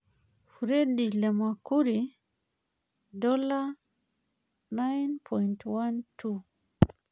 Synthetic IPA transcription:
fuɾedilɛmakuɾi | dɔla | najnpʰɔjintwantʰu

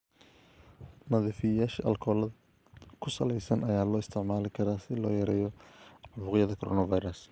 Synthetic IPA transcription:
nɐðɪfɪjɐjaːʃɐ̰ʔɐlkʰɔːlɐ | kʰʊsɐlɛjsɐnɐjaːlɔːɪst̪ʰɪʕmaːlɪkʰɐɾaːsɪlɔːjɐɾɛːjɔʕbʊːʁɪjɐðɐkʰɔɾʔɔ̰ːnɐvajɾɐs

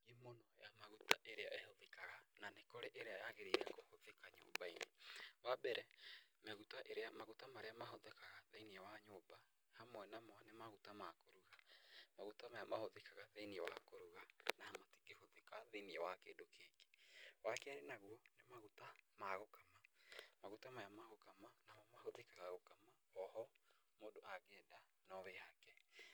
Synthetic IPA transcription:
ɡimonɔjamaɣutaʔeɾeaehoðekaɣananekoɾeʔeɾeajaɣeɾeɾɛkohoðekaɲo̰ːbainewabɛɾɛmɛɣutaʔeɾeamaɣutamaɾeamaɦoðekaɣaðeniɛwaɲoːba | hamwɛnamɔnemaɣutamakoɾuɣamaɣutamajamahoðekaɣaðeniɛwa̰koɾuɣanaamati̥ɡehoðekaðeniɛwakeːdokeːɡe̥wakɛaɾenaɣwɔnemaɣutamaɣokamamaɣutamaɾeamaɣokamanamɔmahoðekaɣaɣokama | ɔhɔ | moːdoʔaɣɛːda | nɔβɛakɛ

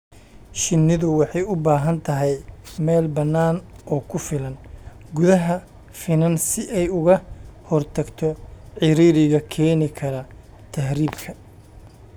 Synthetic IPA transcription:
ʃɪnːɪðʊwɑħɑjʊbaːɦɐnt̪ʰɐɦɛjmɛːlbɐnːaːnɔːkʰʊfɪlɐn | ɡʊðɐɦɐ | fɪnɐnsɪʔɛjʊɣɐhɔrt̪ʰɐɡt̪ʰɔʕɪɾiːɾɪɣɐkʰɛːnɪkʰɐɾɐ | t̪ʰɐhɾiːbkʰɐ

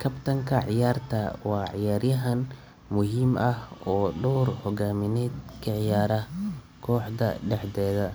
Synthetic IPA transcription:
kʰɐbt̪ʰɐŋkʰɐʕɪjaːrt̪ʰɐwɑːʕɪjaːrjɐɦɐn | mʊɦiːmɐhɔːɖɔwrhɔɣaːmɪnɛːd̪kʰɐʕɪjaːɾɐ | kʰɔːħd̪ɐ̰ɖɛħd̪ɛːðɐ

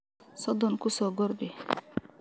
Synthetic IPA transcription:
sɔd̪ɔnkusɔɡɔɾd̪i

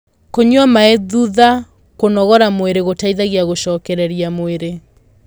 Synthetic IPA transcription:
koɲwamaeðuða | konɔɣɔɾamoeɾeɣotaiðaɣeaɣoɕɔːkɛɾɛɾiamoeɾe

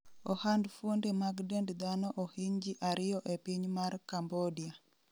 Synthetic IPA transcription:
ɔhandfwondemaɡdendd̪anɔʔohiɲd͡ʒiʔaɾɪjɔʔepiɲmarkambodia

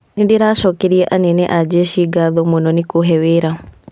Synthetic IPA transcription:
nindiɾaʃɔkɛɾiɛʔanɛnɛʔad͡ʒɛʃiɡaðɔmonɔnikoɦɛweɾa

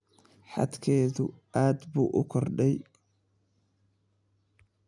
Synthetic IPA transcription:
ħɑ̰d̪kʰɛːðʊʔaːd̪buːʔʊkʰɔrɖɛj

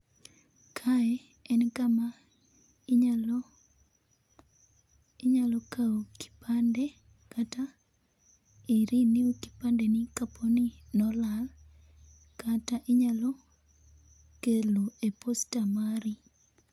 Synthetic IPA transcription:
kʰaɛ | ɛnkama | ɲal | ɪɲalɔkaoki̥pandɛ | kata | iɾiniuki̥pandenikapʰoninɔlal | kataʔɪɲalɔ | keloepostamaɾi

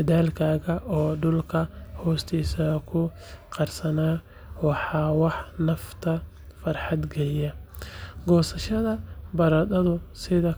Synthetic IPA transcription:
ɐðaːlkʰaːɣɐʔɔːɖʊlkʰɐhɔːst̪ʰiːsɐkʰʊ | qɑrsɐnaː | wɑħɑːwɑħnɐft̪ʰɐ | fɐrħɑd̪ɡɐjɐ | ɡɔːsɐʃɐðɐbɐɾɐd̪ɐðʊsɪðɐ

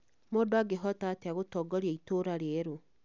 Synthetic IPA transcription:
moːdoaɡeɦɔtateaɣotɔːɡɔɾiaitoɾaɾeɾo

